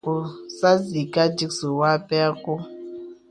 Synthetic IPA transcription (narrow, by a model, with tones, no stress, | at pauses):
u˦sa˦zi˨ka˦d͡ʒi˦ksu˨wa˦pɛ˦a˦ku˦